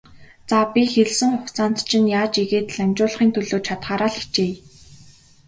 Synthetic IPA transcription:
t͡sapʲixeɮsɘ̆ŋχʊxt͡saːnt̪t͡ɕʰɪ̆njaːt͡ɕiɣeːt̪ɮamʲt͡ɕʊːɮ̆χiːnt̪ʰɵɮoːt͡ɕʰat̪χaːɾaːɮi̥xt͡ɕeː

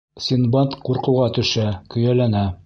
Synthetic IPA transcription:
sʲinbɑt̪quɾqɤ̆wʁɑt̪ɵ̆ʃækɵ̆jælænæ

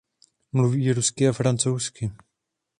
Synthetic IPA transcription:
mluviːɾuskɪafɾant͡sowskɪ

